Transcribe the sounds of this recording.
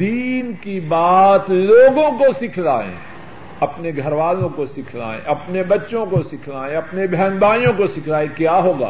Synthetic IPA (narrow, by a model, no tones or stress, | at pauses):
d̪iːnkibaːt̪loːɡõkosɪkʰlaːḛ̃ | ɐpneɡʱɐɾʋaːlõkosɪkʰla̰ːḛ̃ʔɐpnebɐtːʃõkosɪkʰlaːẽɐpnebʱɛːnbaːijõkosɪkʰlaːẽkjaːɦoːɡa̰ː